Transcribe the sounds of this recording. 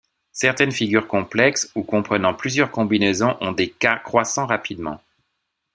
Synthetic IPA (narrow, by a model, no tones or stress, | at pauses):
sɛʁt̪ɛnfiɡʲyʁkɔ̃plɛksukɔ̃pχənɑ̃plyzjœʁkɔ̃binɛzɔ̃ʔɔ̃d̪ekakχwasɑ̃ʁapid̪mɑ̰̃